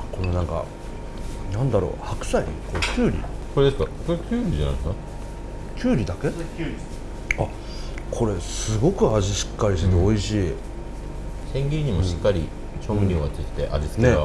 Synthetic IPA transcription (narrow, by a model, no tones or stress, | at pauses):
ko̞no̞nãŋka̰ | nãnd̪aɾo̰ːhakɯ̟̥saiḭkoekʲɨːɾʲḭko̞ɾe̞d̪esɨ̥kakoɾekʲɨːɾʲid͡ʑana̰ĩsna | kʲɨːɾʲid̪akeɾʲi | a | kʰo̞ɾe̞sɨɡo̞kɯ̟aʑiɕi̥kːaɾʲiɕ̬t̪eoiɕiː | sẽ̞ŋɡʲiɾiɲ̟imo̞ɕi̥kːaɾʲi | t͡ɕõmɾʲioat͡sɨi̥t̪ːe̞ʔa̰d͡ʑisɨ̥nk̪ea